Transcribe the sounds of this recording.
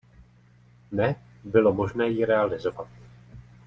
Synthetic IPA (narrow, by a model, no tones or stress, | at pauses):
nɛ | bɪlo̞mo̞ʒnɛːjɪɾɛalɪzo̞vat̪̚